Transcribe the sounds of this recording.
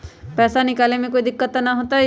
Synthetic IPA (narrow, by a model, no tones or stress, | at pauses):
pɛːsanɪkaːlemẽkoːid̪ɪkːət̪ːnaɦoːt̪aɦɛ